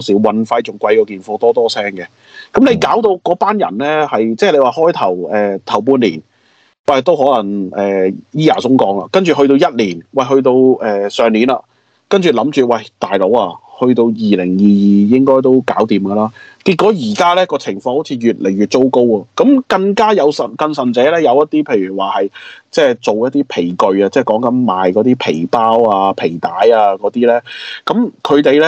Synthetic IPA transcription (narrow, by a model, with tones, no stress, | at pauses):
siː˨˥wwɐ˧nfɐ˧jt͡sʊ˨˩ŋkʷɐ˧jkɔː˧kiː˨˩nfɔː˧t̪ɔː˥t̪ɔː˥sɛː˥ŋɡɛ˧ | kɐ˨˥mle˨˧jkaː˨˥wt̪o˧wkɔː˨˥paː˥njɐ̰˨˩nlɛː˥hɐ˨jt͡sɛː˥˩le˨˧jwaː˨˧ɦɔː˥jt̪ʰɐ˨˩wɛː˨t̪ʰɐ˨˩wp̬uː˧nliː˨˩n | wɐ˧˨˩t̪o˥whɔː˨˥lɐ˨˩ŋɛː˨jiː˥aː˨˩sʊ˥ŋkɔː˨˥ŋla̰ː˧kɐ˥nt͡ʃy˨˩ɦɵ˧t̪o˧wjɐ˥t̚liː˨˩nwɐ˧˩jɦɵ˧ɥt̪o˧wɛː˨sœː˨˩ŋniː˨˥na̰ː˧ | kɐ˥nt͡ʃy˨lɐ˨˥mt͡ʃyː˨wɐ˧˩jt̪aː˨jlo˨˥wɐː˧hɵ˧ɥt̪o˧wjiː˨lɪ˨˩ŋjiː˨jiː˨jɪ˥ŋkɔː˥jt̪o˥wkaː˨˥wt̪iː˨mɡɐː˧laː˥kiː˧t̚kːɔː˨˥jiː˨˩kaː˥lɛː˥kɔː˧t͡sʰɪ˨˩ŋfɔː˧ŋho˨˥t͡sʰiː˨˧ɥyː˨t̚le˨˩jɥyː˨˩t̚t͡so˥wko˥wɐ˨˧kɐ˨˥mkɐ˧ŋkaː˥jɐ˨˧wsɐ˨nkɐ˧nsɐ˨˩nt͡sɛː˨˥lɛː˥jɐ˨˧wjɐ˥t̚t̪iː˥pʰe˨˧jɥyː˨˩waː˨˩hɐ˨jt͡sɛː˥˩t͡so˨wjɐ˥t̚t̪iː˥pʰe˨˩jkɵ˨˧ɥaː˧t͡sɛː˥˩kɔː˨˥ŋkɐ˨˥nmaː˨jkɔː˨˥t̪iː˥pʰe˨˩jpaː˥waː˧pʰe˨˩jt̪aː˨˥jaː˧kɔː˨˧˥t̪iː˥lɛː˥kɐ˨˥mkʰɵ˨˧ɥt̪e˨jlɛ˥